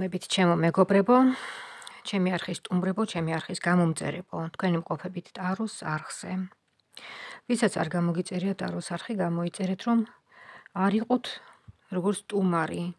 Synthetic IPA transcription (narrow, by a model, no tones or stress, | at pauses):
mɛbit̪ʰt͡ʃʰɛmɔmɛɡɔbɾɛbɔ | t͡ʃʰɛmiaɾχisːt̪ʼumɾɛbɔt͡ʃʰɛmiaɾχisɡamɔmt̪sʼɛ̰ɾɛbɔt̪ʰkwɛnimqʼɔpʰɛbit̪ʰt̪ʼaɾɔsaɾχz̥ɛ | visat̪sʰa̰ɾɡamɔɡit̪sʼɛɾiat̪ʼaɾɔsaɾχiɡamɔit̪sʼɛɾɛt̪ʰɾɔm | aɾiqʼɔt̪ʰ | ɾɔɡɔɾt̪sʰt̪ʼumaɾi